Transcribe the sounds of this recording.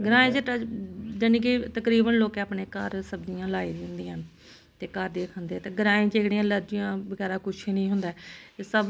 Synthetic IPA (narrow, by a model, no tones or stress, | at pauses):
ɡəɾaːẽːd͡ʒeːʈad͡ʒənĩːkit̪əkɾiːbənloːkeaːpɳeːkəɾsəbd͡ʒɪjãːlaːiːɾiːʊnd̪ĩːɦən | t̪eːkəɾd̪eːkʰõːnd̪eːɛːt̪eːɡəɾãːẽːd͡ʒeːkɽiːãːləɾd͡ʒɪjãːbəɡɛːɾaːkʊʃʰiːnĩːɦʊnd̪aɛːesəb